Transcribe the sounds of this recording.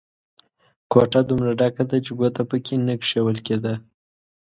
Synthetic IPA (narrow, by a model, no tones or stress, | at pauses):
kwoʈad̪umɾaɖakad̪at͡ʃeɡot̪apəkʰenəkʂewəlked̪a